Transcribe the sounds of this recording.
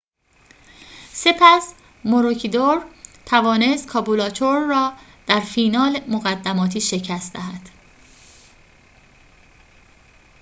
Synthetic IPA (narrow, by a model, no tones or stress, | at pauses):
se̞pʰæs | moɾocʰid̪oɾt̪ʰævɒːne̞st̪̚kʰɒːbulɒːt͡ʃ̪ʰoɾːɒːd̪̥æɾfiːnɒːlmoɣæd̪ːæmɒːt̪ʰiːʃe̞cʰæst̪d̪æ̰ɦæd̪̥